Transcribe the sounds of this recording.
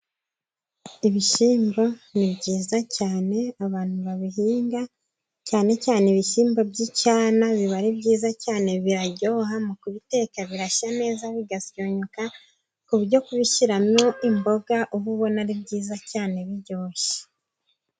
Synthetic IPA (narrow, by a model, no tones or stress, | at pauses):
iβiʃiːmbo̞nibɟiːzacaːne̞aβaːn̥huβaβiɦiːŋɡa | caːne̞caːneβiʃiːmbobɟicaːnaβiβaɾibɟiːzacaːne̞βiɾaɟoːɦamukuβite̞ːkaβiɾaʃane̞ːzaβiɡasjo̞ɲoka | kuβuɾɟo̞kuβiʃiɾamjo̞imbo̞ɡaʔuβuβo̞naɾibɟiːzacaːne̞βiɟo̞ːʃe̥